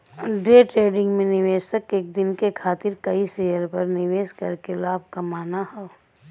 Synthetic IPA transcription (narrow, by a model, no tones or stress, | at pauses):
ɖeːʈɾeːɖɪ̃ŋɡmẽnɪʋeːd͡ʒt̪ɐkeːk̚d̪ɪnkekʰaːt̪ɪɾkɐisejəɾpɐɾnɪʋeːskɐ̰ɾkelaːb̚ʱkɐmaːnaɦɛ